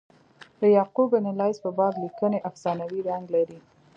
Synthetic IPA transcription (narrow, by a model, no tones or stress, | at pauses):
d̪̥əjɑqubənɪlɑjzpəbɑd̪likəneʔafsɑnawiɾaŋɡlaɾi